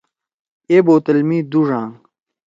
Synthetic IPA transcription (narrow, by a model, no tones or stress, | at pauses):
eːboːt̪ɐlmiːd̪uʐaːŋ